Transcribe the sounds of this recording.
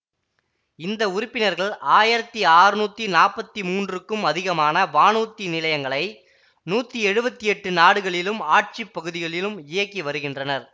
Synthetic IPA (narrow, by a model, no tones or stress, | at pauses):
ɪnd̪ɐʊɾʊpːɪnɐɾɣɐɭʔaːjɪɾɐt̪ːiaːɾɯnuːt̪ːinaːpːɐt̪ːimuːndrɯkːɯmɐðɪɣɐmaːnɐʋaːnuːt̪ːinɪlɐjɐŋɡɐɭɐɪ | nuːt̪ːiɛɻɯbɐt̪ːɪɛʈːɯnaːɽɯɣɐɭɪlɯmaːʈ̚t͡ʃipːɐɣɯðɪɣɐɭɪlɯmɪjɐkːiʋɐɾɯɣɪndrɐnɐɾ